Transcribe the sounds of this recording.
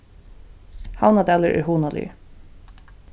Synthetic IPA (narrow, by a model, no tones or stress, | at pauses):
hawnad̪ɛːləʔɛ̰ɹɦuːnalɪ̰ə̰